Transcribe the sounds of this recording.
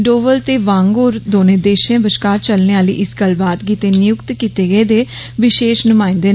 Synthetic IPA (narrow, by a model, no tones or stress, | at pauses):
ɖoːʋəlt̪eːʋãːŋɡoːɾd̪oːnẽːd̪eːʃẽːbəʃkaːɾt͡ʃəlneaːlḭːʔɪskəlbaːd̪ɡiːt̪eːnɪjʊkt̪kit̪eːɡəeːd̪eː | ʋɪʃeːʃnʊmãːɪ̃nd̪eː